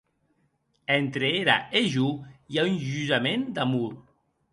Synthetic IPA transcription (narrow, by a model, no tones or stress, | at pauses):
ɛnt̪ɾeeɾa̰eʒujaunʒyzamend̪amuɾ